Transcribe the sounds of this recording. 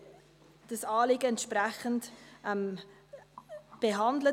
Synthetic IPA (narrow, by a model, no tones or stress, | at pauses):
d̥əsɑːlɪɡəɛntʃprɛχəntʔɛm | b̥eɦɑndlə